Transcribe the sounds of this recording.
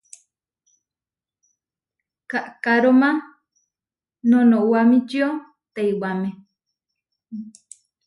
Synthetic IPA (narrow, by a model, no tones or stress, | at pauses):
kaʔkaɾomã | nõnõʔwamĩt͡ʃio | t̪ajwamẽ